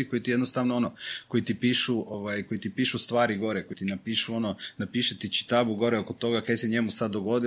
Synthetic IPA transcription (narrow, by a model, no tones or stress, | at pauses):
iko̞jit̪ijenost̪aʋnoonoko̞jit̪ipiːʃuʔoʋajkojit̪ipiːʃust̪ʋaːɾiɡo̞ɾɛkoit̪inapiːʃuo̞nonapiːʃet̪it͡ʃi̥t̪abuɡo̞ɾɛokot̪o̞ɡakajseɲemusad̪ːoɡo̞d̪i